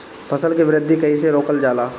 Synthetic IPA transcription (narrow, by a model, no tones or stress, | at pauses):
fʰɐsəlkiʋɪɾɪd̪ʱːikɐiseɾoːkəld͡ʒaːlaː